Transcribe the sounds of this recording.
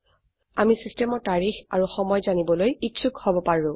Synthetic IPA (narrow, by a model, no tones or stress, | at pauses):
amisistɛmɔtaɹixaɹuxɔmɔjzanibɔlojitsʰukhobɔpaɹʊ̃